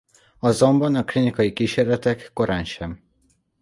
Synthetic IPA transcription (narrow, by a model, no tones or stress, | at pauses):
ɒzo̞mbɒnɒklinikɒjikiːʃeːrlɛt̪ɛkːo̞ɾaːnʃɛm